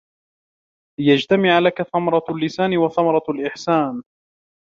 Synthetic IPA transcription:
lɪjad͡ʒt̪amɪʕalakaθamɑɾˤɑlːɪsaːnɪwaθamɑɾˤɑlʔɪħsaːn

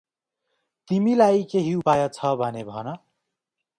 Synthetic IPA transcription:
t̪imilajkeɦiupajʌt͡sʰʌbʱʌnebʱʌnʌ

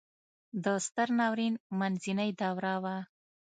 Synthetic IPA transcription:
d̪əst̪əɾnɑwɾinmanzinəjd̪awɾawa

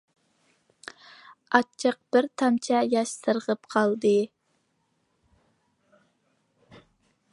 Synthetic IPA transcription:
ɑt͡ʃʰəq̚b̥ɪɾt̪ʰɑmt͡ʃʰɛjɑʃsəɾʁəp̚qʰɑlˠd̪ɨ

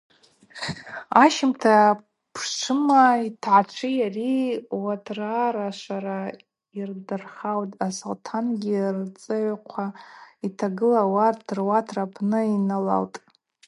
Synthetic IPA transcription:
aʃɪmtʰa | pʰʂʷʰɨmaitʰʕat͡ʃʷʰɨjariwatʰraɾaʃʷaɾa | irdɨrχawtʼasoltʰanɡʲirt͡sʼɨʕqʷʰaitʰaɡɨlawadrwatʰrapʰnɨinala̰ltʼ

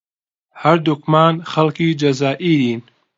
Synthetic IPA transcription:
hɐɾd̪ukmaːnχɐlkiːd͡ʒɐzaːʔiːɾiːn

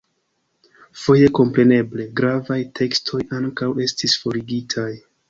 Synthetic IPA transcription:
fo̞je̞ko̞mpɾe̞ne̞ble̞ɡɾavajtʰe̞kstʰo̞jaŋkawe̞stisfo̞ɾiɡitʰaj

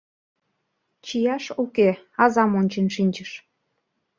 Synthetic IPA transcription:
t͡ɕijɑʃukeɑzɑmonʲt͡ɕenʃinʲt͡ɕəʃ

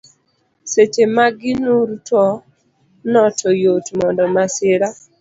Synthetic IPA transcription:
set͡ʃemaɡɪnuɾtɔ | nɔtʰɔjotmɔndɔmaseɾa

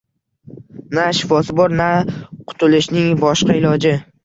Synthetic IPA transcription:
naʃɪfɒsɪbɒɾnaqʰʊ̥t̪ʰʊlɪʃnɪŋbɒʃqɑɪlɒd͡ʒɪ

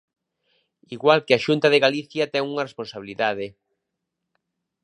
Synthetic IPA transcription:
iɣwalkeaʃunt̪ɐðeɣaliθjɐt̪ɛŋuŋɐresponsaβiliðaðe

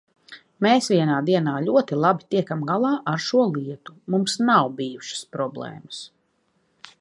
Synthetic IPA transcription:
meːsʋiɛnaːd̪iɛnaːlʲuɔt̪ilˠabit̪iɛkamɡalˠaːʔaɾʃuɔlˠiɛt̪umumsnawbijuʃə̥spɾɔblˠeɛ̰ːməs

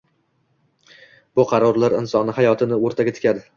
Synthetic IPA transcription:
b̥ʊqʰɑɾɒɾlaɾɪnsɒnɪɦajɒt̪ʰɪnɪoɾt̪ʰaɡʲat̪ʰɪ̥kʲʰad̪ɪ

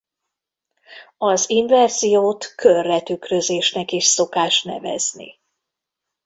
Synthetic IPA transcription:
ɒziɱvɛrz̥ijoːt̪kʰørːɛt̪ykrøzeːʃnɛkeːʃso̞kaːʃt̪nɛ̰vɛ̰znḭ

